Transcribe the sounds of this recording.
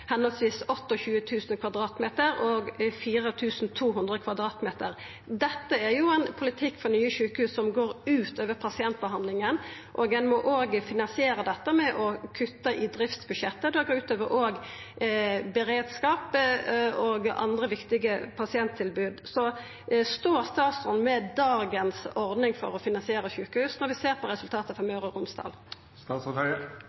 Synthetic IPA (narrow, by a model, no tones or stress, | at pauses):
hɛnɔlsʋiːsɔt̪ːɔçʉːət̪ʰʉːsnkʰʋɑd̪ɾɑːt̪meːt̪əɾɔːɡfiːʁət̪ʰʉːsn̩t̪ʰuːɦʉnd̪ʁəkʰʋɑd̪ʁɑːt̪meːt̪əɾ | d̪ɛt̪ːəæʁjʊɛnpʰʊlɪt̪ʰɪkːfɔʁnyːəʃʉːkəhʉːssɔmɡoːɾʉːt̪øːʋəɾpʰɑsɪɛnt̪̚bəɦɑnlɪŋən | ʔɔɡɛnmɔʔoːɡfɪnɑnsɪeːɾəd̪ɛt̪ːəmɛʔɔkʰʉt̪ːəʔɪd̪ɾɪft̪sbʉdʃɛt̪ːəd̪ɛɡoːɾʉːt̪øːʋəɾʔoːɡ | bəɾeːd̪skɑːp | oɡɑ̰nd̪ʁəʋɪkt̪ɪɡəpʰɑsɪɛnt̪ʰːɪlbʉːd̪sɔ | st̪oːɾst̪ɑːt̪sɔnmɛd̪ɑːɡənsɔʁd̪nɪŋfɔ̰ʁɔfɪnɑnsɪeːɾəçʉːkəhʉːsnɔʁʋɪseːʁpʰɔʁɛsʉlt̪ʰɑːt̪əfɔʁmɑʉʁəʁʊmsd̪ɑ̰ːl | st̪ɑːt̪sɔœɪə